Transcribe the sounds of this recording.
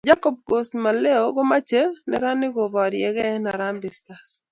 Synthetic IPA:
d͡ʒa˦kɔ˨b̚ɡo˨stma˨le˦o˦ɡɔ˦ma˦t͡ʃe˦nɛ̰˦ɾa˦nɪ˦ɡo˨βɔ˨ɾjɛ˨ɣɛ˦na˨ɾa˦mbɪ˨sta˨s

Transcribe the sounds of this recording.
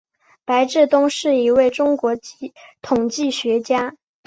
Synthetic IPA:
pa˧˥ɪʈ͡ʂɻ̩˥˩t̪ʊ˥ŋʂɻ̩˥˩i˧˥we˥˩ɪʈ͡ʂʊ˥ŋkwɔ˧˥t̪ʰʊ˨˩ŋt͡ɕi˥˩ɕɥɛ˧˥t͡ɕja˥

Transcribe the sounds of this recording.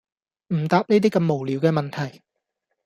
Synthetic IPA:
m̩˨˩t̪aː˧p̚ne˥jt̪iː˥kɐ˧mːo˨˩wliː˨˧wkɛː˧mɐ˨nt̪ʰɐ˨˩j

